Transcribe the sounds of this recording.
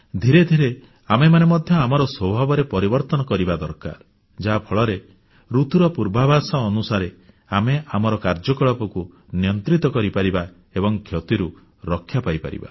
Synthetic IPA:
d̪ʱiɾed̪ʱiɾe | amemanemɔd̪ʱjɔamɔɾɔswɔbʱabɔɾepɔɾibɔɾt̪ɔnɔkɔɾibad̪ɔɾka̰ɾ | d͡ʒapʰɔɭɔɾe | ɾut̪uɾɔpuɾbʱabʱasɔːnusaɾe | ameʔamɔɾɔkaɾd͡ʒɔkɔɭɔpɔku | njɔnt̪ɾit̪ɔkɔɾipaɾiba | ebɔŋkʰjɔt̪iɾu | ɾɔkʰːjapajpa̰ɾḭba̰

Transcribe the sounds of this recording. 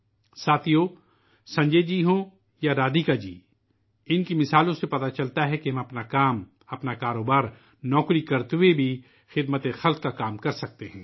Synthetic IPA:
saːt̪ʰijoː | sɐ̃ɲd͡ʒed͡ʒiːɦõː | jaɾaːd̪ikad͡ʒḭː | ɪnkimɪsaːlõsepɐt̪at͡ʃɐlt̪aɦɛkeɦɐ̃mɐpnakaːm | ɐpnakaːɾoːbaːɾ | nɔːkɾikɐɾt̪webʱi | xɪd̪mət̪exɐlq̚kakaːmkɐɾsɐk̚t̪eɦɛ̃ː

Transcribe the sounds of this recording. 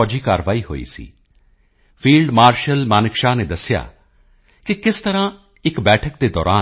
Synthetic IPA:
ɔːd͡ʒiːkaːɾʋaːiːɦo̰ːḭːsḭː | pʰiːlɖmaːɾʃəlmaːnɪkʃaːneːd̪əsɪja̰ː | kɪkɪst̪əɾãː | ɪkbɛːʈʰək̚d̪eːd̪ɔːɾaː

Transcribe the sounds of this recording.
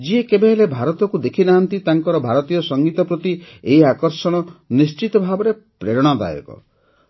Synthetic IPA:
d͡ʒiekebeɦelebʱaɾɔt̪ɔkud̪ekʰinaɦant̪it̪aŋkɔɾɔbʱaɾɔt̪ijɔsɔŋɡit̪ɔpɾɔt̪ieɦiakɔɾsɔɽ̃ɔnist͡ʃit̪ɔbʱabɔɾe | pɾeɾɔɽ̃ɔd̪a̰jɔ̰kɔ̰

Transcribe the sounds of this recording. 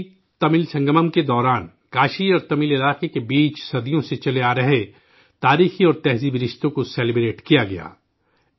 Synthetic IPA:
t̪ɐmɪlsɐ̃ŋɡəməmked̪ɔːɾaːn | kaːʃiɔːɾt̪ɐmilɪlaːqekebiːt͡ʃsɐd̪ijõset͡ʃɐleaːɾɐɦe | t̪aːɾiːxiɔːɾt̪ɛɦziːbɾɪʃt̪õkosɛːlɪbɾeːʈkijaɡɐja̰ː

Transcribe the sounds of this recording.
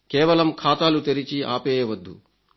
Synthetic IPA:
kɛːʋɐlɐmkʰaːt̪aːlut̪eɾit͡ʃiʔa̰ːpɛːjɐʋɐd̪ːṵ

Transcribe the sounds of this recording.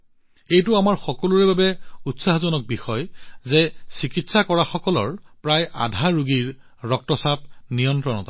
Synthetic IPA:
ejtʊamaɹxɔkɔluɹɛbabɛutsaɦɔzɔnɔk̚bixɔjzɛsikitsakɔɹaxɔkɔlɔ̰ɹpɹajʔa̰dʱaɹuɡiɹ | ɹɔk̚tɔsap̚nijɔntɹɔnɔta

